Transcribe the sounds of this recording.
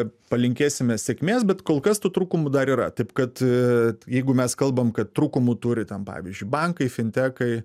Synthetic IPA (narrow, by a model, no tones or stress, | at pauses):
pɐlʲɪŋʲkʲeːsʲɪmʲɛsʲɛkmʲeːsbʲɛt̪koːlˠkɐst̪uːt̪ɾuːkʊmʊd̪ɐɾiːɾɐ̰t̪ɐɪpkɐt̪ | jɛɪɡʊmʲɛskɐlˠbɐmkɐtt̪ɾuːkʊmʊt̪uɾʲɪt̪ʲɛnpɑ̰ːʋʲizʲd͡ʒʲʊɪbɐŋkɐɪfʲɪnʲt̪ʲæːkɐɪ